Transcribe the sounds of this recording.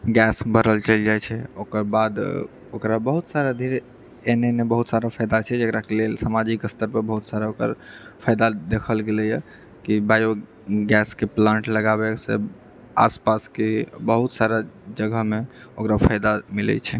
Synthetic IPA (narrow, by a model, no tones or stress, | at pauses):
ɡɛsbʱəɾəlt͡ʃəld͡ʒajt͡ʃʰɛokəɾbad̪ | okɾabəɦut̪saɾad̪ʱiɾe | enenebəɦut̪saɾapʰəjd̪at͡ʃʰɛd͡ʒekɾakelelsamad͡ʒikəst̪əɾpəɾbəɦut̪saɾaokə̰ɾpʰajd̪ad̪ekʰəlɡelɛjɛ | kibajo | ɡɛskeplãɳʈləɡabɛsḛ | a̰spaskebəɦut̪saɾad͡ʒəɡəɦmeokɾapʰajd̪amilɛ̰t͡ʃʰɛ